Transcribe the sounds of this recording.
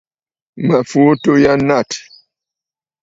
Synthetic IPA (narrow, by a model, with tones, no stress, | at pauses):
mə˨fu˨˦to˦ja˦na˦˨t